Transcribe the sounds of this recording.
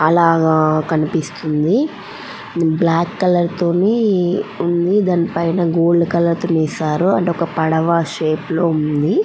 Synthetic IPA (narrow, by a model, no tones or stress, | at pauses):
ɐlaːɡaːkɐnipist̪und̪i | blaːkːɐlɐɾt̪oːniːund̪id̪aːnipɐjnɐːɡoːɭːukɐlɐɾt̪oːnɛːsaːɾuɐɳʈeɔkɐpɐɽɐʋaːʂeːplo̞ːund̪i